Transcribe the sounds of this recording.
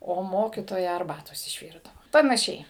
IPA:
ˈoː ˈmoːkʲiːtoːjɛ ɐrˈbɑːtoːs ɪʃʲˈʋʲiːrdɐʊ pɐnɐˈʃʲɛɪ

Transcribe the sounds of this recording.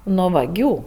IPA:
noː ʋɐˈɡʲuː

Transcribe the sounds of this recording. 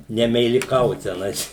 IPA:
nʲɛmʲɛɪlʲɪˈkɐʊt tʲɛˈnɐɪs

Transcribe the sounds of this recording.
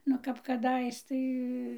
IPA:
nʊ ˈkɐp kɐˈdɐɪs ˈtɐɪ

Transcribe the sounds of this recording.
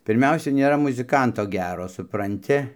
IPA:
pʲɪrʲˈmʲɛʊsʲɛ nʲeːˈrɐ mʊzʲɪˈkɐntoː ˈɡʲæːroː sʊprɐnʲˈtʲɪ

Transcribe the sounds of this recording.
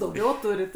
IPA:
dɐʊˈɡʲɛʊ ˈtʊrʲɪt

